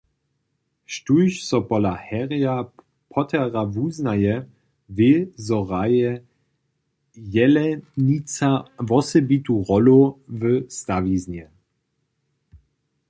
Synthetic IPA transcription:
ʃtuɕsɔpɔlahɛʁja | pʰɔt̪ʰɛʁavuznajɛ | vɪzɔʁajɛ | jɛlɛnit͡savɔsɛbit̪uʁɔlovəst̪aviznɛ

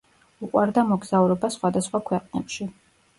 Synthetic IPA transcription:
uqʼwaɾd̪amɔɡz̥auɾɔbasχwad̪asχwakʰwɛqʼnɛpʃi

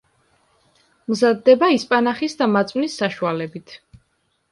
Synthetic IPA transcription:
mzad̪ːɛbaispʼanaχisd̪amat̪sʼwnisːaʃualɛbit̪ʰ

